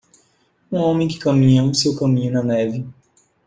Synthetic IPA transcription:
ũõmẽj̃kɪ̥kɐmĩɲɐũsewkɐmĩɲʊnɐnɛvɪ

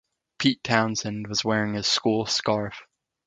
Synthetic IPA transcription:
pʰiˑtʰãʊ̃nzɨ̃nwʌzwɛːɹɪ̃ŋɨz̥skulˠskɑɹf

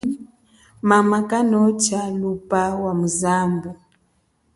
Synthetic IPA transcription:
mamakanɔt͡ʃalupawamuzambu

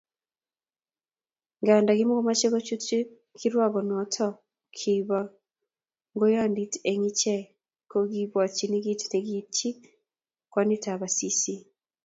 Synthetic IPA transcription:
ŋɡaːndaɣimokomat͡ʃeɣot͡ʃute | kʰiɾwaɣonɔtʰɔ | kʰiβa | ŋɡojanditeŋit͡ʃe | koɣiβwat͡ʃiniɡitineɡit͡ʃi | kwanitaβasisi

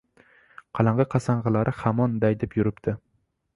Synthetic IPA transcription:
qʰɑlˠɑɴʁɑqʰɑsaɴʁɨlˠaɾʔɪhamɒnd̪ajd̪epjʊɾɪpt̪ʰɪ

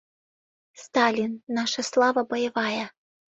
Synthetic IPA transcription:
st̪ɑlʲinːɑʃəslˠɑvəbojəvɑjə

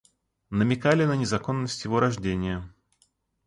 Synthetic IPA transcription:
nəmʲɪkalʲɪnənʲɪzɐko̞nːəsʲtʲjɪvo̞ɾɐʐdʲenʲɪjə

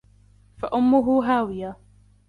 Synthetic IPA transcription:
fa̰ʔʊmːʊɦʊɦaːwɪjaː

